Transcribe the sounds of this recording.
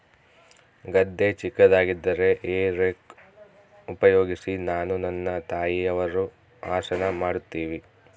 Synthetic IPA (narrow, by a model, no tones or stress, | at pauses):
ɡɐd̪ːe̞t͡ʃikːɐd̪aːɡid̪ːɐɾe̞ʔeːɾek | upɐjoːɡisinaːnunɐnːɐt̪aːjiɐʋɐɾu | aːʃɐnɐmaːɽut̪ːiːʋi